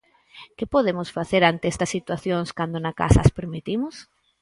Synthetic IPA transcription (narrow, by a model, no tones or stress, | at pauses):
kɪpoðemʊsfaθeɾant̪eɛst̪ɐsːit̪waθjoŋskand̪onɐka̰sɐ̰ːspeɾmit̪imʊs